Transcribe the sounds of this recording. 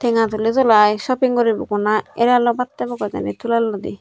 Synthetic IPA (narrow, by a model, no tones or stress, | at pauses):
t̪ʰeŋat̪ulezɔlajʃɔpiŋkɔɾibokunaeɾalobat̪ːabɔkɔza̰nit̪ʰulalːɔd̪ḭ